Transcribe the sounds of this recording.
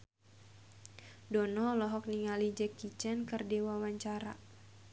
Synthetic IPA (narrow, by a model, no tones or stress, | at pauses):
dɔnɔlɔɦɔk̚niŋalid͡ʒɛkːit͡ʃɛnkɨrdiwawaɲt͡ʃaɾa̰